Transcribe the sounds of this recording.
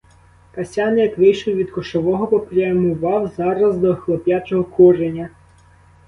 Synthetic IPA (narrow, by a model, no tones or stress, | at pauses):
kɐsʲɑnjɐkʋɪjʃʊwʋʲid̪kɔʃɔʋɔɦɔpɔpɾʲɪɐmʊʋɑwzɑɾɐzd̪ɔxlˠɔpʲjat͡ʃɔɦɔkuɾenʲɐ